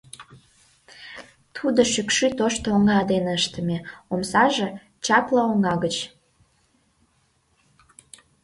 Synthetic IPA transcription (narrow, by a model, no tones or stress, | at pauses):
t̪ʰud̪oʃykʃyt̪oʃt̪oŋɑd̪enəʃt̪ə̆meomsɑʒĕ | t͡ɕɑplɑoŋɑɣət͡ɕ